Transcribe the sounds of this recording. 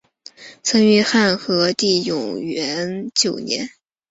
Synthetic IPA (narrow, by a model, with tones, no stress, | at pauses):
t͡sʰə˥ŋy˧˥xa˥˩nxɤ˧˥t̪i˥˩jʊ˨˩ŋɥɛ˧˥nt͡ɕjo˨˩ʊnjɛ̰˧˥n